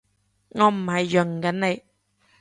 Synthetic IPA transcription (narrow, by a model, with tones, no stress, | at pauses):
ŋɔː˨˧m̩˨˩hɐ˨jːɵ˨˩ŋ̩˨kɐ˨˥nne˨˧j